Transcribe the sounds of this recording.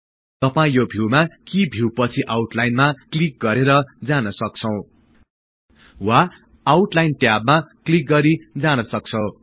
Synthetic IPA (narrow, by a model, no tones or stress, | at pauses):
t̪ʌpaĩjobʱiwmakibʱiwpʌt͡sʰiʔawʈlajnmaklik̚ɡʌɾeɾʌd͡zanʌsʌk̚t͡sʰʌw̃ | waː | wuʈlajnʈjabmaklik̚ɡʌɾid͡zanʌsʌk̚t͡sʰʌ